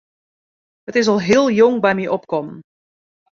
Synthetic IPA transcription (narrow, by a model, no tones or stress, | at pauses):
ɦətɪs̬ɑlˠɦɪːlˠjɔŋbɛjmiʔɔpkɔmən